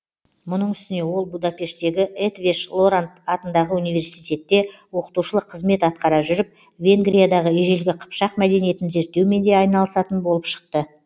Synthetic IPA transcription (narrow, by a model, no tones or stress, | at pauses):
mʊnəɴʏst̪ɪne̞wo̞lˠbud̪ɑpe̞ʃt̪e̞ɡʲɪʔet̪veʃlˠo̞ɾant̪ɑt̪ənd̪ɑʁəunijve̞ɾsijt̪e̞t̪ːe̞wo̞qə̥t̪uʃəlˠəqʰːəzme̞t̪ɑt̪̚qɑɾɑʒʏɾɪp̚ | vʲe̞ŋɡɾijad̪ɑʁəeʒe̞lɡʲɪqʰə̥pʃɑq̚mæd̪e̞nije̞t̪ɪnze̞ɾt̪ːe̞wme̞nd̪e̞ɑjnɑlˠəsɑt̪ənbo̞lˠəpʃə̥q̚t̪ə